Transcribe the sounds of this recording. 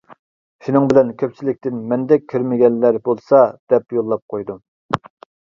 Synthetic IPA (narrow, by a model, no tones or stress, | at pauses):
ʃunɨŋbɪlɛnkʲʰøp̚t͡ʃʰilɪk̚ʲt̪ɪnmɛnd̪ɛk̚ʲʰːyɾmɪɡʲɛnːæɾbolˠsɑd̪̥ɛpjolˠːɑp̚qʰojd̪u